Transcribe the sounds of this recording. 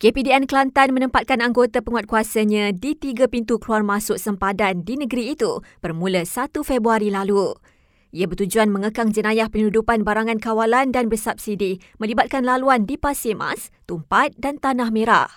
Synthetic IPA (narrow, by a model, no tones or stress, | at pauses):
kepidiɛnklant̪anmənə̃mpat̪̚kanaŋɡot̪apəŋwat̪̚kuasaɲãdit̪iɡapint̪ukluarmasʊʔ̚səmpadandinəɡəɾiːt̪ub̥ərmũləsat̪ufɛbɾuaɾilalu | ʔiabərt̪ud͡ʒuanmə̃ŋəkaŋd͡ʒənãjahpənudupanbaɾaŋãnkawalandanbərsap̚sidi | mə̃libat̪̚kanlaluandipasema̰st̪umpat̪̚dant̪anahmeɾa̰ʔ